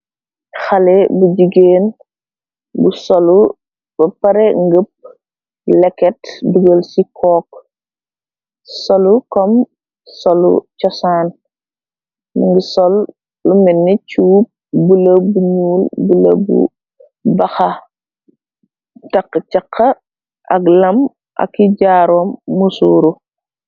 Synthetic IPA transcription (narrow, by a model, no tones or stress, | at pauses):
xɐlɛbuɟiɡeːn | busɔlu | bɐpɐɾɛŋɡəp̚ | lɛkːɛtduɡolsikʰɔːk̚ | sɔlukɔm | sɔlṵt͡ʃɔsaːn | nuŋɡisɔl | lumɛnːit͡ʃuːp̚buləbuɲuːlbulɐ̰bṵ | bɐxa | tɐkːt͡ʃɐkʰːɐ | ʔɐklɐm | ʔa̰kːiɟaːɾɔːmːusuːɾu